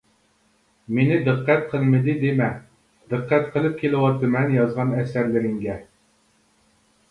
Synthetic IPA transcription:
menɪd̪ɨqːɛt̪̚qʰəlˠmɨd̪ɨd̪emɛ | d̪ɨqːæt̪qʰəlˠɨp̚kʲʰelɪwɑt̪ʰɨmɛnjɑzʁɑnɛsæɾlɪɾɪŋɡʲɛ

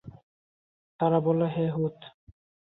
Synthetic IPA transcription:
t̪aɾabɔleɦɛɦut̪

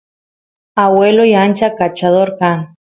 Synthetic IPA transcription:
aweloiant͡ʃakat͡ʃaðoɾkan

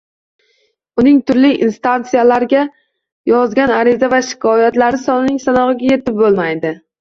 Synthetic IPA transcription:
ʊnɪŋt̪ʰʊɾlɪʔinst̪ant̪sijalaɾɪɡʲa | jɒzɡʲanaɾɪzavaʃɪ̥kʰɒjat̪laɾɪsɒnɪnɪŋsanɒʁɨɡʲaje̞t̪ɪp̚bolˠmajd̪ɪ

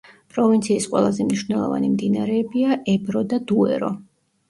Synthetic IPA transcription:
pʼɾɔvint̪sʰiːsqʼwɛ̰lˠazɛmniʃvnɛlˠɔ̰va̰nimd̪inaɾɛːbiaʔɛbɾɔd̪ad̪uɛ̰ɾɔ

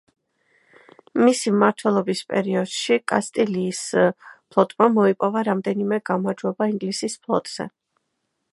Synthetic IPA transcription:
misimaɾt̪ʰwɛlˠɔbispʼɛ̰ɾiɔd̪̥ʃikʼa̰st̪ʼɛliːspʰlˠɔt̪ʼmamɔipʼɔvaɾamd̪ɛnimɛɡamaɾd͡ʒwɛbaiŋɡlisispʰlˠɔ̰t̪ʼz̥ɛ̰

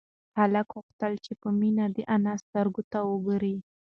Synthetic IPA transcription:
halakɣʊxt̪əlt͡ʃepəminad̪əʔanast̪aɾɡot̪awəɡɾi

